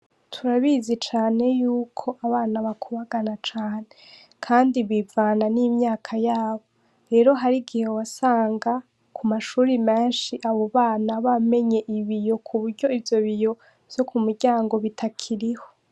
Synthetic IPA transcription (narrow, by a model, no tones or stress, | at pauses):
tʰuɾaβizit͡ʃaːne̞juːkʰo̞ʔaβaːnaβakʰuβaɡanat͡ʃaːne | kʰaːndiβivaːnaniːmɲaːkʰajaːβo̞ | ɾe̞ːɾo̞ɦaɾiɡihewasaːŋɡa | kʰumaʃuːɾimeːnʃiʔaβo̞βaːnaβame̞ɲe̞ʔiβijo̞kʰuβuɾɟo̞ivjo̞βijo̞ | v̥jokumuɾɟaːŋɡo̞βitʰakʰiɾiho̞